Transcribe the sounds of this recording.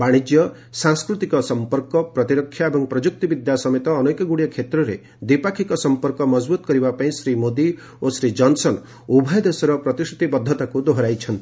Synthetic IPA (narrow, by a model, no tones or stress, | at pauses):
baɽ̃id͡ʒjɔ | sãŋskɾut̪ikɔsɔmpɔɾkɔpɾɔt̪iɾɔkʰːjaebɔŋpɾɔd͡ʒuk̚t̪ibid̪jasɔmet̪ɔːnojkɔɡuɽiɔkʰet̪ɾɔɾe | d̪ipakʰikɔsɔmpɔɾkɔmɔd͡ʒbut̪ɔ̥kɔɾibapaĩsɾimod̪i | osɾid͡ʒɔnsɔn | ubʱɔjɔd̪esɔɾɔpɾɔt̪isut̪ibɔd̪ʱːɔt̪akud̪oɦɔɾajt͡ʃʰɔnt̪i̥